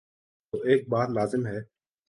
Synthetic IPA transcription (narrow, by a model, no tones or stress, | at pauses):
oːʔeːk̚baːt̪laːzɪmɦɛː